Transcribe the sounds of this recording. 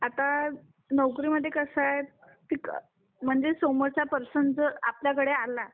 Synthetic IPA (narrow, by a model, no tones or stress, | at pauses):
at̪a | nəwkɾiməd̪ʱːjekəsaet̪ | t̪iːk | m̤əɳd͡zesoməɾt͡ɕapəɾsəɳd͡zəapljakəɽeala